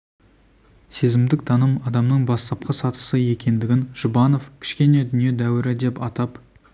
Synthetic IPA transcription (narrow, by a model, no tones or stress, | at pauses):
sezɪmd̪ɪk̚d̪ʰɑnəmɑd̪ɑmnəɴbɑst̪ɑp̚qʰɑsɑt̪ə̥səje̞kʲe̞nd̪ɪɡʲɪnʒ̥ʊbɑno̞fkʲʰɪ̥ʃkʲe̞ne̞d̪ʏnije̞d̪æwɪɾɪd̪e̞pɑt̪ɑp